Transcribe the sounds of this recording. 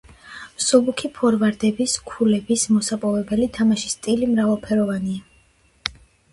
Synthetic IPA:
msɔbukʰipʰɔɾvaɾd̪ɛbiskʰulɛbismɔsapʼɔvɛbɛlit̪ʰamaʃi̥st̪ʼilimɾavalˠpʰɛɾɔvania

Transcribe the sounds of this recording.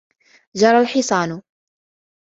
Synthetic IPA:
d͡ʒɑɾˤɑlħɪsˤɑːnʊ

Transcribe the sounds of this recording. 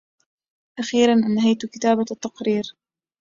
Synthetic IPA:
ʔaxiːɾanʔnːaɦajt̪kɪt̪aːbat̪ːɑqɾiːɾ

